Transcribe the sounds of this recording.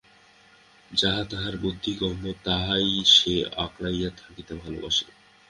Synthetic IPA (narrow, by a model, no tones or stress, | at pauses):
d͡ʑaɦat̪aɦaɾbod̪ʱːiɡɔmbot̪aɦajʃeaklajat̪ʰakit̪ebʱalo̰ba̰ʃe